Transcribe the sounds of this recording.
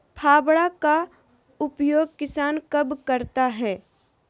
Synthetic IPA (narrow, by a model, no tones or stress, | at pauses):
pʰaːbɽaka | ʊpjoːɡ̚kɪsaːnkɐbkɐɾt̪aɦɛː